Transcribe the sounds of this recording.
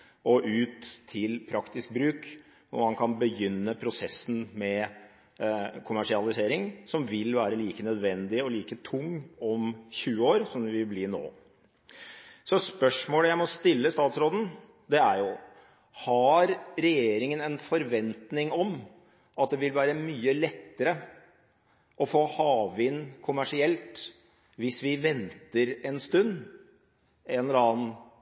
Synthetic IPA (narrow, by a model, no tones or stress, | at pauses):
ʔɔʔʉːt̪ʰːɪlpʰɾɑkt̪ɪsk̚bɾʉːk | ʊ̰mɑnkʰɑnbəjʏnːəpʰɾʊsɛsːn̩mɛ | kʰʊmæʂɪɑlɪseːɾɪŋsɔmʋɪlʋæːɾəliːkənœd̪ʋɛnd̪ɪɔliːkət̪ʰʊŋːɔmçʉːəoːɾsɔmd̪ɪʋɪlbliːno̰ː | sɔspœʂmoːləjæɪmɔst̪ɪlːəst̪ɑːt̪sɾoːd̪n̩ | d̪ɛæɾjʊ | hɑɾɾɛjeːɾɪŋənɛnfɔɾʋɛnt̪nɪŋɔm | ʔɑt̪̚d̪ɛʋɪlʋæːɾəmyːəlɛt̪ːəɾə | ʔɔfoːhɑːʋɪnːkʰʊmæʂɪɛlt̪ | ʋɪsʋɪʋɛnt̪əɾɛnst̪ʉnː | ɛːnlɑːn